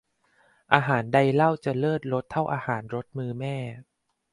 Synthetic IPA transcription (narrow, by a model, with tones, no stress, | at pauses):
ʔaː˧ɦaː˩˦nda˧jla˥˩wt͡ɕa˨˩lɤː˥˩t̪̚ɾo˦˥t̪ʰːa˥˩wʔaː˧haː˩˦nɾo˦˥t̪̚mɯː˧mɛː˥˩